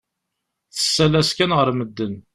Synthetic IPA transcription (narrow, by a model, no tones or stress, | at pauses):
θə̥sːælæskænʁəɾməd̪ːən